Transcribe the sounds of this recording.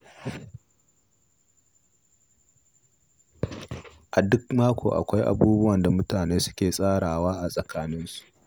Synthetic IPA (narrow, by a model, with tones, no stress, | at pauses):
ʔa˨dʊ˦kmaː˦kʷʰo̰ː˨ʔa̰˨kʷa˦jʔa̰˨buː˦bʊ˦wɐ˨nda˨mʊ˦taː˨neː˦sʊ̥˦kʲeː˨sʼaː˦ɽaː˨waː˦ʔa˨sʼɐ˨kʰaː˦nɪ˦nsu̥˨ʔ